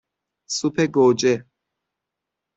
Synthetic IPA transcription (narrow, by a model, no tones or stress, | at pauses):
supʰeɡoːd͡ʒe